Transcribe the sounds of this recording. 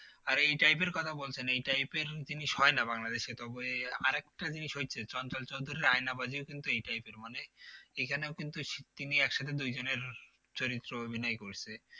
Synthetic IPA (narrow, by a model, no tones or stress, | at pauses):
aɾejʈajp̬eɾkɔt̪ʰabolt͡ɕʰenejʈajpeɾd͡ʑiniʃɦɔenabaŋlad̪eʃet̪ɔbeaɾɛkʈad͡ʑiniʃɦot͡ɕʰet͡ɕɔnt͡ɕɔlt͡ɕowd̪ʱuɾiɾajnabad͡ʑiokint̪uejʈajpeɾmaneekʰaneokint̪uʃt̪iniɛkʃat̪ʰed̪ujd͡ʑoneɾ | t͡ɕoɾit̪ːɾoobʱinɔekoɾt͡ɕʰe